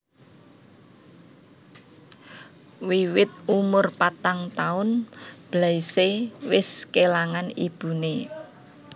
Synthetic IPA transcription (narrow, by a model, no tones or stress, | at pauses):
wiwɪt̪̚umʊrpat̪aŋt̪aʊnb̥laisewɪskelaŋanib̥ṳne